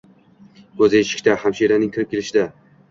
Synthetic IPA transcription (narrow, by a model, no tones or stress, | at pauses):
kʰɵzɪeʃɪ̥kʲt̪ahamʃiɾanɪŋkʲʰɪɾɪp̚kʲʰelɪʃɪd̪a